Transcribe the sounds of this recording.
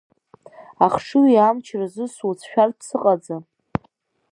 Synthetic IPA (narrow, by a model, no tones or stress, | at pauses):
aχʂɨiamt͡ʃʰrazɨsut͡sʰʃᶣardsɨqʼad͡za